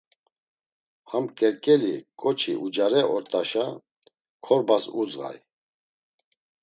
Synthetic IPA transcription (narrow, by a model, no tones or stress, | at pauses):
hamkʼɛɾkʼɛlikʼɔt͡ʃʰḭʔud͡ʒaɾɛʔɔɾt̪ʼaʃa | kʰɔɾbasud͡zʁa̰j